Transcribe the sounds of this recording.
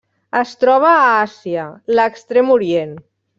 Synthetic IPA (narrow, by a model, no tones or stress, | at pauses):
əst̪ɾɔβ̞aːasiələkst̪ɾemuɾjen